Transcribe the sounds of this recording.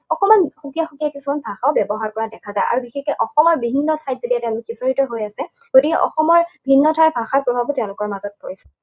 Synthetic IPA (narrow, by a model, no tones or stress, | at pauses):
ɔkɔmanxukijaxukijakisumanbʱaxaʊbjɔbɔɦaɹkɔɹadɛkʰazajʔa̰ɹubixekɛʔɔxɔmɔɹbibʱinːɔtʰajtzetiatɛʊ̃lʊkːisoɹitɔɦojasɛ | ɡ̥otikɛʔɔ̰xɔmɔɹbʱinːɔtʰaɹbʱaxapɹobʱabutɛʊ̃lʊkɔɹmazɔt̚pojsɛ̥